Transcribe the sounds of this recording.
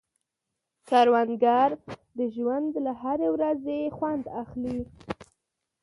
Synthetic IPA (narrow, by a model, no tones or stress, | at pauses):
kaɾwanɡaɾd̪əʒwand̪laɦaɾewɾazexwand̪axli